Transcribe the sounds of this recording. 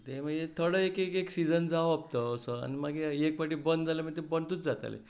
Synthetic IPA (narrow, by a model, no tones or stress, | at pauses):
t̪eməet̪ʰəɽəekekeksid͡zənd͡zaap̚t̪əːsəa̰nimaɡeekʋaʈibənd̪d͡zaləmə̃t̪ebəɳt̪uːt͡sd͡zat̪a̰lḛ